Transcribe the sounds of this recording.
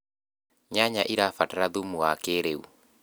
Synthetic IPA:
ɲaɲaʔiɾafataɾaðumuakeɾeṵ

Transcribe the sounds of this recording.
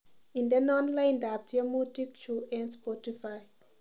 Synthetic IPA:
ĩnd̪enɔ̃nlãjndab̚tiamutikt͡ʃuʔɛ̃nspɔtifaj

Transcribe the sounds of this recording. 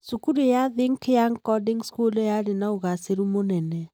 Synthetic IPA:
sukuɾejaðeŋkjaŋkɔdiŋskulɔjaɾenaoɣaseɾumonɛnɛ

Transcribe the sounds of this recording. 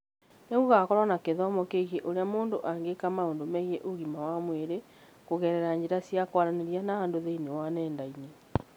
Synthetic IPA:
neɣoɣakɔɾwanakeðɔmɔkeɣeʔoɾeamoːndoʔaŋɡekamaoːndomɛiɣeʔoɣimawamweɾe | koɣɛɾɛɾaɲd͡ʑeɾasjakwaɾaneɾianaandoðeinewanɛːndaine

